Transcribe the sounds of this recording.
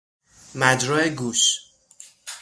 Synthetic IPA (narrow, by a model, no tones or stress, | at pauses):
mæd͡ʒɾɔːeɡuːʃ